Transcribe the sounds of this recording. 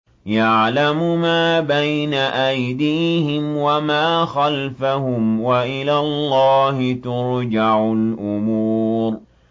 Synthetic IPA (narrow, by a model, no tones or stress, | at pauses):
jaʕlamʊmaːbajnaʔajd̪iːhɪmwamaːxalfahʊmwaʔɪlaːllˤːɑːhɪt̪ʊɾd͡ʒaʕʊlʔʊmuːɾ